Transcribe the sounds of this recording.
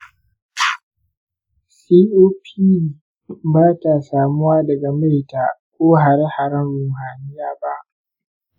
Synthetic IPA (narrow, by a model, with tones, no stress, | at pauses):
siː˦ʔoː˦pʰiː˦ | baː˦ta˨saː˨mʊ˦waː˦dɐ˨ɡa˨ma˦jtaː˨kʷoː˦ɦa˨ɾe˦ha˨ɾɐ˦nɾʊ˨mɦaː˨nɪ˦jaː˦ba˦ʔ